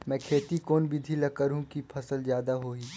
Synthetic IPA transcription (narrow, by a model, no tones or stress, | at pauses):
mɛ̃ːkʰeːt̪ikoːnbid̪ʱilɐkəɾɦũkipʰɐsəlzjaːd̪aɦoːiː